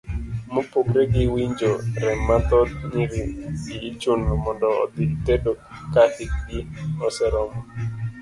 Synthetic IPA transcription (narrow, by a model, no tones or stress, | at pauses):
mopoɡɾeɡɪwiɲd͡ʒoɾɛmːat̪ɔd̪̚ɲiɾɪiit͡ʃunomɔndɔɔ̰d̪ɪt̪edo | kahɪk̚ɡɪɔsɛɾɔmɔ